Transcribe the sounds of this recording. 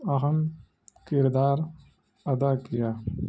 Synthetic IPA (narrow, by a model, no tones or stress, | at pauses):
ɐɦɐm | kɪɾd̪aːɾ | ɐd̪aːkijaː